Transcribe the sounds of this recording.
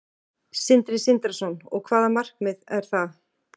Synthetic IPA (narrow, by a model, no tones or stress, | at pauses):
sɪnt̪ɾɪsɪnt̪ɾasɔnɔɣkʰvaːðamar̥kmɪðɛɾ̥θað